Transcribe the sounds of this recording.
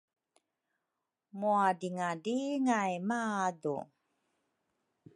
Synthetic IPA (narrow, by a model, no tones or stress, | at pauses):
muadiŋadiŋajmadṵ